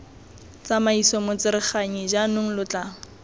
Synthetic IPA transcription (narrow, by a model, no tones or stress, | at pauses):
t͡samaisɔmʊt͡sɪɾɪχaɲid͡ʒanʊŋ̩lʊt͡ɬa